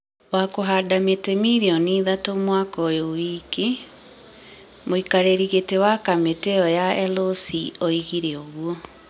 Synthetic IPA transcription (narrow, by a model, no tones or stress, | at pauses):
wakoɦadametɛmiɾiɔniːðatomwakɔjowiːke | moikaɾeɾiɣetewakameteɔjaɛlosiɔiɣiɾeoɣuɔ